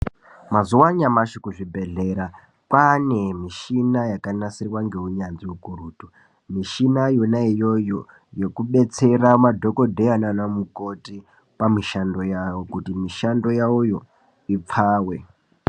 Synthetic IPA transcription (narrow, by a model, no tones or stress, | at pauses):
mazuwaɲamaʃikuʐibʱe̞ɮe̞ɾa | kwane̞miʃinajakanasirwaŋɡe̞uɲanziukuɾuːtu | miʃinajonaijo̞jo | je̞kuɓe̞t͡se̞ramadʱo̞ko̞dʱeananamukoti | pamiʃando̞jawo̞kutimiʃando̞jaujo̞ | ip͡fʰaːwe̞